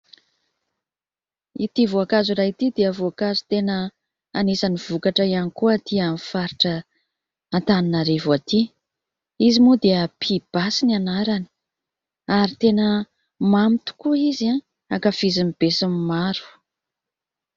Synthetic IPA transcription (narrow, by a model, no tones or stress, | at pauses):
ḭt̪ivoakazuɾait̪id̪eavoakazut̪enə | anesaniv̥ukaʈ͡ʂəianikuət̪ʰiamifaɾiʈ͡ʂəː | nt̪aninaɾevoat̪i | izimud̪eəpʰib̥asinianaɾani̥ | aɾit̪enə | mamit̪u̥kuiza | akafizimib̥esimimaɾu̥